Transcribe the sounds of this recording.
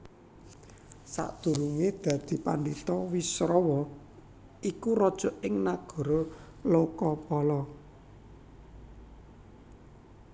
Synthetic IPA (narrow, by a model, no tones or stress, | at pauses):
sa̰ʔd̪̥ṳɾuŋed̪̥ä̤d̪̥i̤pandit̪ɔwisɾɔwɔ | ikuɾɔd̥ʒ̥ɔ̤ʔɪŋnaɡ̥ɔ̤ɾo | lokɔpɔlɔ